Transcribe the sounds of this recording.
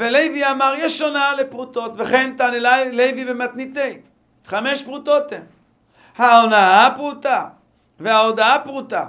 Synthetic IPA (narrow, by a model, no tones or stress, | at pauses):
velejviamaʁjeʃonalepʁut̪o̞t̪veχe̞nt̪anelajlejvibemat̪nit̪ej | χameʃpʁut̪o̞t̪em | haonaapʁut̪a | veaod̪aapʁut̪a